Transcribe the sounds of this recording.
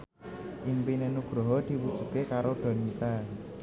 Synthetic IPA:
ʔɪŋpinenuɡ̥ɾoɦɔd̪̥i̤wu̥d͡ʒ̥ṳkekaɾoɖ̪̥a̤nit̪a

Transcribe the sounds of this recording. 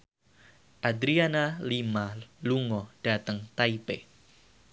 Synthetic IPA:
ʔad̪ɾianalimaluŋɔd̥at̪əŋt̪aipe

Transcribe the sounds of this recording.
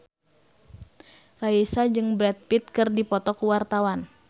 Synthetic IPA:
raisad͡ʒɨŋbɾɛt̪̚pit̪̚kɨrdipɔt̪ɔkuwart̪awan

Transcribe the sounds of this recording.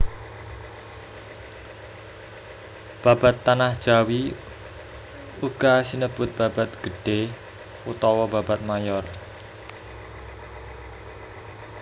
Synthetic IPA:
b̥a̤ba̤t̪ːanahd̥ʒ̥a̤wi | uɡ̥asinəb̥ʊt̪̚b̥ab̥at̪̚ɡ̥ə̤ɖ̥e | ut̪ɔwɔbabat̪̚majɔr

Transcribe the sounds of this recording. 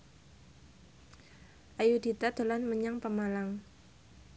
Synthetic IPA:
ʔajud̪̥it̪ad̪̥o̤lanməɲaŋpəmalaŋ

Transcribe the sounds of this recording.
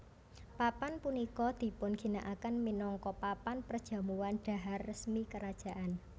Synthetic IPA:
papanpunikɔd̪̥i̤pʊnɡ̥i̤naʔakanminɔŋkɔpapanpərd̥ʒ̥ä̤muwanɖ̥a̤ɦarːəsmikəɾad̥ʒ̥a̤ʔan

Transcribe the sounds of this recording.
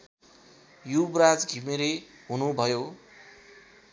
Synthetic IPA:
jubrad͡zɡʱimeɾeɦunubʱʌjo

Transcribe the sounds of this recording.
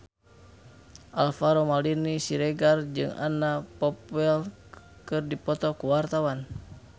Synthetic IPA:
ʔalfaɾɔmalinisiɾɛɡard͡ʒɨ̰ŋa̰napɔpɛl | kɨrdipɔt̪ɔkuwart̪awan

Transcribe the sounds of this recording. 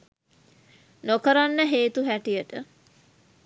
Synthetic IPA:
nokəɾanːəɦeːt̪uɦæʈijəʈə

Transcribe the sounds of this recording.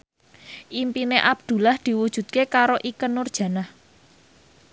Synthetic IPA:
ʔimpineʔab̚d̪̥ṳlahd̪̥i̤wud̥ʒ̥ṳt̪̚kekaɾoʔikənːʊrd̥ʒ̥ä̤nah

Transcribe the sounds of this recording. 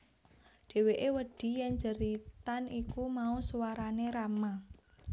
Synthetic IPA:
ɖ̥e̤weʔewəɖ̥i̤jɛnd͡ʒəɾit̪anikumausuwaɾaneɾama

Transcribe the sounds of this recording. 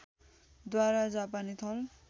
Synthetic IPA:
d̪waɾad͡zapanit̪ʰʌl

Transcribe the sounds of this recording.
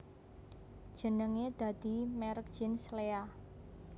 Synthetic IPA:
d̥ʒ̥ə̤nəŋed̪̥ä̤d̪̥i̤mɛɾək̚d̥ʒ̥ɪnslea

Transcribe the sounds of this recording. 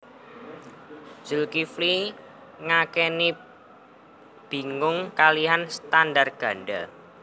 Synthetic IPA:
d͡ʒ̥əlkifli | ŋakɛni | b̥i̤ŋʊŋkaliɦanst̪andarɡ̥a̤ɳɖa

